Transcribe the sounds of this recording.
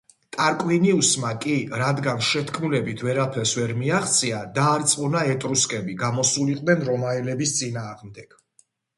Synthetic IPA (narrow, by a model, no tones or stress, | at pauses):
t̪ʼaɾkʼwiniusmakʼiɾad̪ɡanʃɛt̪ʰkʰmulɛbit̪ʰvɛɾapʰɛlsvɛɾmiaχt̪sʼiad̪aːɾt̪sʼqʼɔnaɛt̪ʼɾuskʼɛbiɡamɔsuliqʼd̪ɛnɾɔmaɛlɛbist̪sʼinaːʁmd̪ɛɡ̥